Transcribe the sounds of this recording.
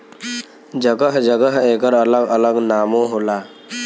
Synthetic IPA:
d͡ʒəɡəɦd͡ʒəɡəɦekəɾələɡələɡnaːmõɦola

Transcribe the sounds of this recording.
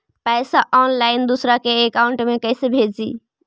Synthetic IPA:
pɛsaʔɔnlaɪnd̪usɾakeːkauɳʈmekəɪsebʱed͡ʒḭ

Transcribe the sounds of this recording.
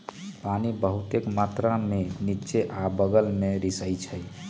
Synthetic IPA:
panibəɦut̪ekmat̪ɾamenit͡ʃeʔabəɡəlmeɾisəjt͡ʃʰəj

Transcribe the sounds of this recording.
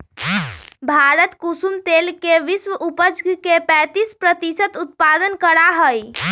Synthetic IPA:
bʱaɾət̪kusumt̪elkeʋisʋəupəd͡ʒɡkepɛ̃t̪ispɾət̪isət̪ut̪̚pad̪ənkəɾaɦəj

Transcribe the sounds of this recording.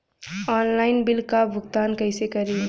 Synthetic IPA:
ɔːnlaːɪnbɪlkabʱʊɡt̪aːnkɐɪsekɐɾi

